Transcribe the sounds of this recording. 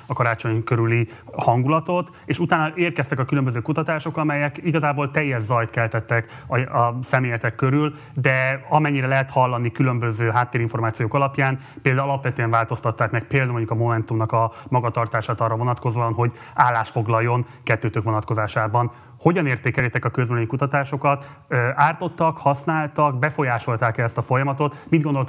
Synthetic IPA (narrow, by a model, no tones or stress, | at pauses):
ɒkɒɾaːt͡ʃo̞ɲkøɾyli | hɒŋɡulɒt̪o̞t̪ | eːʃut̪aːnːɒʔeːrkɛst̪ɛkɒkylømbøzøːkut̪ɒt̪aːʃo̞kɒmɛjɛkiɡɒzaːboːlt̪ɛjːɛʒzɒjt̪kɛlt̪ɛt̪ːɛk | ɒɒsɛmeːjɛt̪ɛkːøɾyl | d̪ɛɒmɛɲːiɾɛlɛɦɛt̪hɒlːɒnikylømbøzøːɦaːt̪ːeːɾiɱfo̞rmaːt̪sijoːkɒlɒpjaːn | peːld̪aɒlɒpʋɛt̪øɛɱvaːlt̪o̞st̪ɒt̪ːaːkmɛk̚peːld̪amoɲɟukɒmo̞mɛnt̪umnɒkɒmɒɡɒt̪ɒrt̪aːʃaːt̪ɒːrːɒvo̞nɒt̪ko̞zoɒnɦo̞ɟ | aːlːaːʃfo̞ɡlɒjːo̞n | kɛt̪ːøːt̪økʋo̞nɒt̪ko̞zaːʃaːbɒn | ho̞ɟɒneːrt̪eːkɛljɛt̪ɛkɒkøzvɛnɛɲikut̪ɒt̪aːʃo̞kɒt̪ | øaːrt̪o̞t̪ːɒkhɒsnaːlt̪ɒkbɛfo̞jaːʃo̞lt̪aːkɛlɛst̪ɒfo̞jɒmɒt̪o̞t̪mid̪ɡo̞nd̪o̞lt̪